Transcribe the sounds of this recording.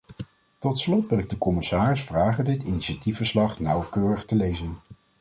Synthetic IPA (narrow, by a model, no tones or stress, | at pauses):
tɔtslɔtʋɪlɪɡ̚dəkɔmɪsaːrɪsfraːχəndɪtiniʃatifəɹslɑχnʌwkøːrəχtəlejzən